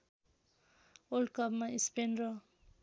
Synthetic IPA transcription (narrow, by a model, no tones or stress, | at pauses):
olɖkʌbmaispenrʌ